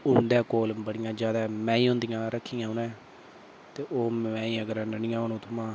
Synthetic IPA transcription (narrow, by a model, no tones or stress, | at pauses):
ʊnd̪ɛ̃ːkoːlbəɽɪjãːd͡ʒjaːd̪aːmɛ̃ːiːʊ̃nd̪ijãːɾəkʰːiːãːɦʊnɛ̃ː | t̪eːʔoːmɛ̃ːiːəɡəɾnənɪjãːʊnõːt̪ʰʊmãː